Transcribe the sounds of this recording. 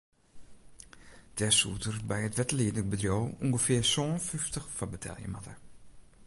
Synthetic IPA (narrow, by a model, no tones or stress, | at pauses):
d̥ɛsṵtərbɛjətʋɛtəliədək̚bədrjoːuŋɡəfɪərsoːnfyftəxfɔbətʰɛ̰lˠjə̰matər